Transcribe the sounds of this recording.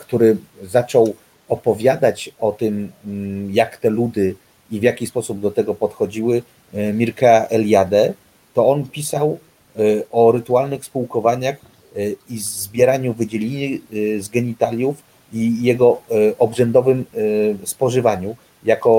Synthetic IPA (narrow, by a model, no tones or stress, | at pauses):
kt̪uɾɘzat͡ʂɔw | ɔpɔvʲjad̪at͡ɕɔt̪ɘm | jakt̪ɛlud̪ɘ | ivʲjakʲispɔsub̚d̪ɔt̪ɛɡɔpɔt̪xɔd͡ʑiwɘ | mʲiɾkaɛljad̪ɛ | t̪ɔɔnpʲisaw | ɔɾɘt̪ualnɘxspuwkɔvaɲax | izzbʲjɛɾaɲuvɘd͡ʑelʲiɲɘzɡɛɲit̪alʲjuf | ijɛɡɔʔɔbʐɛnd̪ɔvɘmspɔʐɘvaɲu | jakɔ